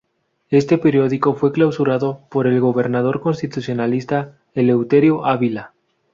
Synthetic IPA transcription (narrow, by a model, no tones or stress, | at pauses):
e̞st̪e̞pe̞ɾjo̞ð̞iko̞fwe̞klawsuɾaðo̞po̞ɾe̞lɣo̞βe̞ɾnað̞o̞ɾko̞nst̪it̪uθjo̞nalist̪a | ele̞wt̪eɾjoʔaβila